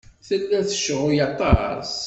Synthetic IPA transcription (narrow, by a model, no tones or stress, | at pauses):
θəlːæθə̥ʃʁʊjat̪ˤːɑ̰ɾˤs